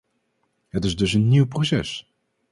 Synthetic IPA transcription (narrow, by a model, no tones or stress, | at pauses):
ɦətɪzdɵsənːiwprosɛ̰s